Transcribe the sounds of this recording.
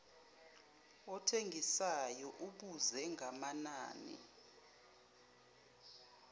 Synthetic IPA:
ɔtʰeŋʱisajɔʔuɓuzɛŋʱamanaːnḭ

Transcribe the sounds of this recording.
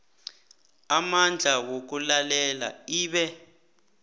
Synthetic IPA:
amand͡ɮʱawok̬ulalɛla̰iːɓɛ

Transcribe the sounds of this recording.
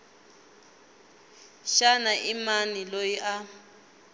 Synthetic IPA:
ʃanaʔimanilojiʔa

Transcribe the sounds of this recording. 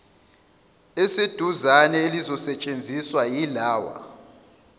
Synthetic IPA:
esid̥ʱuzanɛelizɔsɛt͡ʃʼend͡zʱiswajilaːwa̰

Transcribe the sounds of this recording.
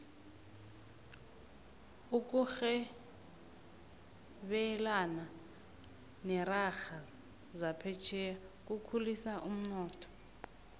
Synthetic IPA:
uk̬ʼuxɛ | ɓɛlana | nɛraxa | zapʰɛt͡ʃʰɛjak̬ʼukʰulisaʔum̩nɔːtʰɔ̥

